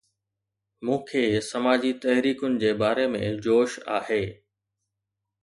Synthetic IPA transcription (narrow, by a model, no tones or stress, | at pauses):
mũːkʰeːsɐmaːd͡ʑit̪ɐɦɾiːkʊnɪ̆d͡ʑeːbaːɾemḛ̃d͡ʑoːʃa̰ːheː